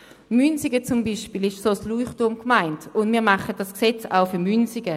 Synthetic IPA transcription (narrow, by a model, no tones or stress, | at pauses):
mynsɪɡət͡sʊmbiʃpiːlɪʃsosluːχtumkmaɪntʊndmiːʁmaχət̚d̥asksɛt͡sa̰ʊfyɐmynsɪɡə